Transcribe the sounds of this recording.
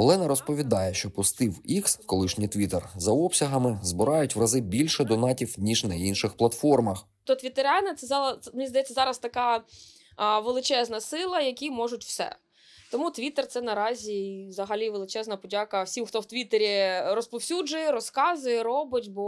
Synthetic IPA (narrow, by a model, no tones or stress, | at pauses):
ɔlˠɛnɐɾɔspɔʋʲid̪ɑjɛʃt͡ʃɔpʊst̪ɪwikskɔlˠɪʃnʲit̪ʋʲit̪ɛrzɐɔpsʲɐɦɐmɪzbɪɾɑjʊtʲʋɾɐzɪbʲilʲʃɛd̪ɔnɑtʲiwnʲiʒnɐinʃɪxplˠɐt̪fɔrmɐx | t̪ɔt̪ʲʋʲit̪eɾɑnɐt̪sɛzɑɐɛmʲnʲizd̪ɐjɛt͡sʲːɐzɑɾɐst̪ɐkɑ | ʋelˠɪt͡ʃɛznɐsɪlˠɐjɐkʲimɔʒʊtʲw̥sɛ̰ | t̪ɔmut̪ʋʲit̪ert̪sɛnɐɾɑzʲiʋzɐɦɐlʲiʋelˠɪt͡ʃɛznɐpɔdʲɑkɐwsʲimxt̪ɔwt̪ʲʋʲit̪eɾʲirɔspɔwsʲud͡ʒʊjɛɾɔskɑzʊjɛɾɔbɪtʲbɔ